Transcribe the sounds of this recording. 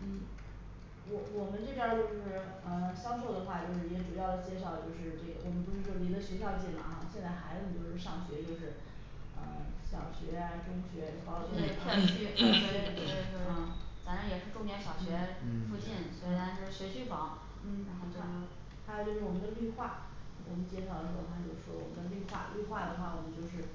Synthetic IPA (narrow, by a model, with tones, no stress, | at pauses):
n̩˥˩ | wɔ˨˩wɔ˨˩mə˦nʈ͡ʂɤ˥˩pjɑ˥t͡ɕjo˥˧ʊ˥ʂɻ̩˥˩ | ə˧ɕjɑ˥ŋʂo˥˩ʊd̪ə˨˩xwa˥˧t͡ɕjo˥˧ʊʂɻ̩˥˩˧t͡ɕɛ˥˩ʈ͡ʂu˨˩jɑ˥˩ʊd̪ə˩t͡ɕjɛ˥˧nʂ̬ɑ˥˩ʊt͡ɕjo˥˧ʊʂɻ̩˥˧ʈ͡ʂɤ˥˩ɡə̰˩wɔ˨˩mə˦npu˧˥ʂɻ̩˥˩ʈ͡ʂɔ˥˩ni˧˥nd̪ə˧ɕɥɛ˧˥ɕ̬jɑ˥˧ʊt͡ɕi˥˩nmɐ̰˩xa˧ɕjɛ˥˧nt͡sa˥˩ɪxa˧˥ɪ˥˨˩nj̪wo˥˧ʊʂɻ̩˥˩ʂɑ˥˩ŋɕɥɛ˧˥t͡ɕjo˥˧ʊʂɻ̩˥˩ | ə̰˧˩ɕjɑ˨˩ʊɕɥɛ̰˧˥ja˧ʈ͡ʂʊ˥ŋɕɥɛ˧˥˧kɑ˥ʊt͡ɕɛ˥ə˥˩a˥y˥t̪we˥˩˧t̪e˥˧˥ə˥˧˩t͡sa˧˥na˧˥jɛ˨˩ʂɻ̩˥˧ʈ͡ʂʊ˥˧ŋt̪jɛ˧˥nɕjɑ˨˩ʊɕɥɛ˧˥fu˥˧t͡ɕi˥˩nɕɛ˧˥ta˧˥nt͡ɕo˥˧ʂɻ̩˥˩ɕɥɛ˧˥t͡ɕʰy˥˩fɑ˧˥˦ŋ | n̩˥˩ɻa˧˥nxo˥˩ʊt̪a˧˥˩ | t̪ʰa˥jt͡ɕjo˥˧ʊʂɻ̩˥˩wɔ˨˩mə˦nd̪ə˧ly˥˧xwa˥˩˥ | wɔ̰˨˩mə˦nt͡ɕjɛ˥ʂɑ˥˩ʊlə˧˩xʰa˥t͡ɕo˥˧ʊʂɻ̩˥˩ʂwɔ̰˥wɔ˨˩mə̰˦nd̪ə˧ly˥˧xwa̰˥˩ly˥˧xwa˥˩d̪ə˩xwa˥˩wɔ˨˩mə˦nt͡ɕjo˥˧ʊʂ̬ɻ̩˥˩